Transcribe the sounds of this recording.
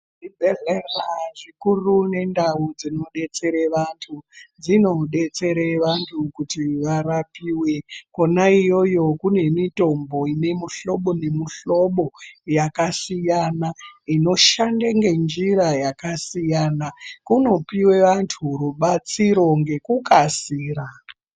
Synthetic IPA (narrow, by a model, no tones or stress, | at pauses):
ʐid͡zeɮeraʐikurune̞ndaud͡zino̞ɗe̞t͡se̞ɾeʋantʰud͡zino̞ɗe̞t͡se̞ɾeʋantʰukutiʋaɾapiːwe̞ko̞naijo̞jo̞kune̞mito̞mbo̞ine̞muɬo̞ɓo̞ne̞muɬo̞ɓo̞jakasijanaino̞ʃandeŋɡe̞nd͡ʒiɾajakasijaːnakuno̞piwe̞ʋantʰuɾuɓat͡siɾo̞ŋɡe̞kukasiːɾa